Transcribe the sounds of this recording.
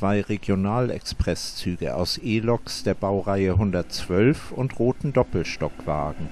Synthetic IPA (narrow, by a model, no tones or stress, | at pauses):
v̥aɪʁeɡjonaːlɛ̰kspʁ̥ɛst͡syːɡəʔa̰ʊsʔeːlɔksd̥eːɐbaʊʁaɪəɦʊndɐtt͡sv̥œlfʊntʁoːtn̩dɔpl̩ʃtɔkv̥a̰ːɡŋ̩